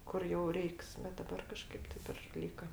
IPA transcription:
ˈkʊr jɛʊ ˈrʲɛɪks bʲɛt dɐˈbɐr kɐˈʃkɐɪp ˈtʲɪp ɪr ˈlʲiːkɐ

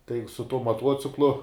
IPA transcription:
tɐɪ sʊ tuɔ mɐˈtuɔt͡sʲɪklˠʊ

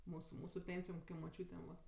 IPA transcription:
ˈmuːsʊ ˈmuːsʊ ˈpʲeːnʲsʲɪjoːm koːˈkʲoːm moːˈt͡ʃʲuːtʲeːm ʋɐ

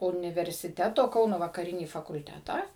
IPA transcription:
ʊnʲɪʋʲɛrʲsʲɪˈtʲæːtoː ˈkɐʊnoː ʋɐkɐˈrʲɪnʲiː fɐkʊlʲˈtʲæːtɑː

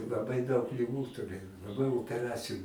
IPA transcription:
lˠɐˈbɐɪ dɐʊk lʲɪˈɡuː tʊˈrʲeːj lˠɐˈbɐɪ oːpʲɛˈrɑːt͡sʲɪjʊ

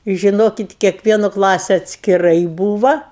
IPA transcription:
ɪ ʒʲɪˈnoːkʲɪt kʲiɛkˈʋʲiɛnoː ˈklˠɑːsʲɛ ɐtʲsʲkʲɪˈrɐɪ ˈbuːʋɐ

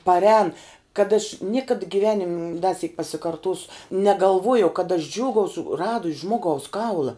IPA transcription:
pɐrʲˈɛːn kɐt ɐʃ ˈnʲiɛkɐt ɡʲɪˈʋʲæːnʲɪmʲ dɐ sʲiːk pɐsʲɪkɐrˈtoːsʊ nʲɛɡɐlˠˈʋoːjɛʊ kɐt ɐʃ ˈd͡ʒʲuːɡɐʊsʊ ˈrɑːdʊsʲ ˈʒmoːɡɐʊs ˈkɐʊlˠɐ

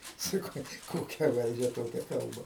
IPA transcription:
sɐˈkɐʊ ˈkoːkʲɛ ˈʋɐlʲd͡ʒʲɛ ˈtoːkʲɛ ˈkɐlˠbɐ

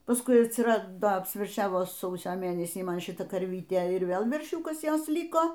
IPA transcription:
pɐsˈkʊɪ ɐtʲsʲɪˈrɑːdoː ɐpʲsʲʋʲɛrʲˈʃʲæːʋoːˈsɐʊsʲoː ˈmʲeːnʲɛsʲiː ˈmɐn ʃʲɪˈtɐ kɐrʲˈʋʲiːtʲɛ ɪr ˈʋʲeːlˠ ʋʲɛrʲˈʃʲuːkɐs ˈjoːs ˈlʲɪkoː

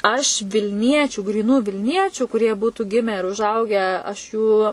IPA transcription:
ɐʃ ʋʲɪlʲˈnʲiɛt͡ʃʲuː ɡrʲiːˈnuː ʋʲɪlʲˈnʲiɛt͡ʃʲuː kʊˈrʲiɛ ˈbuːtʊ ˈɡʲɪmʲæː ɪr ʊʒˈɐʊɡʲæː ɐʃ ˈjuː

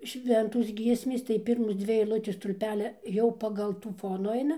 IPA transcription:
ˈʃʲʋʲɛntoːs ˈɡʲiɛsʲmʲeːs tɐɪ ˈpʲɪrmoːs ˈd͡zʲʋʲɪ ɛɪlˠˈʊtʲeːs stʊlʲˈpʲæːlʲɛ ˈjɛʊ pɐɡɐlˠ ˈtuː ˈfoːnʊ ˈɐɪnɐ

